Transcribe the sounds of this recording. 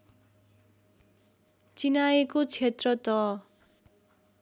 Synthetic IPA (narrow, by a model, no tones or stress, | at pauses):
t͡sinaekot͡sʰet̪rʌt̪ʌ